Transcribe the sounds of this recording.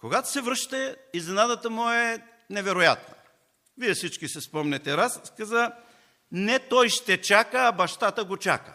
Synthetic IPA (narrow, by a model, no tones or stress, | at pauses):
koɡat̪o̥sɛvɾɤʃt̪ɛiznɛnad̪ət̪əmʊɛ | nɛvɛɾoja̰t̪no | viɛfsit͡ʃkisɛspɔmnɛt̪ɛɾaskaza | nɛt̪ɔjʃt̪ɛt͡ʃakəːbɐʃt̪at̪əɡot͡ʃa̰kə